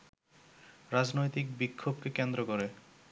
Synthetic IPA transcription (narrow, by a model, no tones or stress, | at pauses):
ɾad͡ʑnojt̪ik̚bikʰːobkekend̪ɾokoɾe